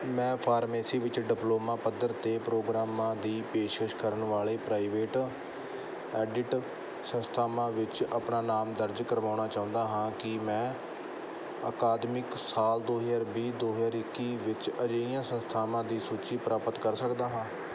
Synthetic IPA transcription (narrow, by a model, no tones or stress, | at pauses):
mɛ̃ːpʰaːɾmeːsiːʋɪt͡ʃɖɪploːmãːpəd̪əɾt̪eːpɾoːɡɾaːmãːd̪iːpeːʃkəʃkəɾəɳʋaːleːpɾaːɪʋeːʈ | ɛːɖɪʈ | sənst̪ʰaːmãːʋɪt͡ʃapɳaːnaːmd̪əɾd͡ʒkəɾʋaːʊnɳaːt͡ʃaːʊ̃nd̪aːɦãːkɪmɛ̃ː | ə̰kaːd̪mɪksaːld̪oːɦzaːɾbiːd̪oːɦzaːɾɪkːiːʋɪt͡ʃəd͡ʒeːɪjãːsənst̪ʰaːmãːd̪iːsuːt͡ʃiːpɾaːpət̪kəɾsəkd̪aːɦãː